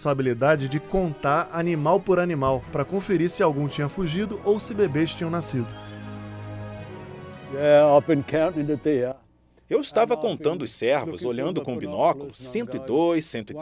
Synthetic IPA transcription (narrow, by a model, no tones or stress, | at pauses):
sabilid̪ad͡ʒɪd͡ʒɪkõnt̪aɾanimawpoɾanimawpɾɐkõfeɾisɪawɡũt͡ʃĩɲɐfuʒid̪ʊʔowsɪbebeʃt͡ʃĩɲɐ̃w̃nasid̪ʊ | jɛaɪvbɨ̃nkʰãʊ̃ntɪ̃ŋɨe | ewɪst̪avɐkõnt̪ɐ̃nd̪ʊsɛɾvʊ̰zoʎɐ̃nd̪ʊkõbinɔkʊlʊsẽnt̪ʊɪd̪ojsːẽnt̪ʊi